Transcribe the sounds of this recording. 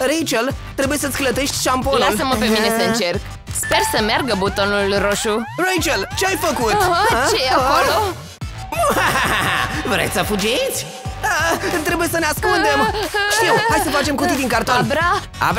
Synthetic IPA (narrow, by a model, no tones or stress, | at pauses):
rejt͡ʃelt̪ɾe̞buje̞sət̪sʲklət̪e̞ʃt̪ʲʃampolnualsəməpe̞minesəɨnt͡ʃe̞rk | spe̞rsəmearɡəbut̪onulroʃurejt͡ʃelt͡ʃeajfəkut̪eaolo | a | vɾḛt̪səfud͡ʒiet̪sʲ | t̪ɾe̞buje̞səneaskund̪e̞mʃt̪iwhajsəfat͡ʃe̞mkut̪id̪iŋkart̪onba | a̰